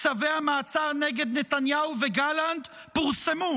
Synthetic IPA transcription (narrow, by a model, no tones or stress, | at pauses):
t͡saveamaːt͡saʁneɡe̞d̪ne̞t̪anjauveɡaland̪ | puʁsemu